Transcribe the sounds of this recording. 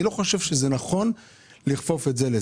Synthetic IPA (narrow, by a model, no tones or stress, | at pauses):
ilo̞χo̞ʃe̞vʃezenaχo̞n | liχfo̞fetze̞le